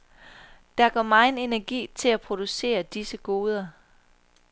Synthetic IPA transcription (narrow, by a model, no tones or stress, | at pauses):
d̥ɑ̈ɐɡ̥ɒ̰ːmɑ̈ɪne̝næɐɡ̥ḭːt͡sʰe̝læpʰʁo̝d̥use̝̰ːɐd̥isəɡ̥o̝ːð̞ˠɐ